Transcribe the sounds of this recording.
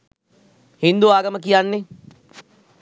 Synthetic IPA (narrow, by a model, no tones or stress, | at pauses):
hind̪uaːɡəməkijanːe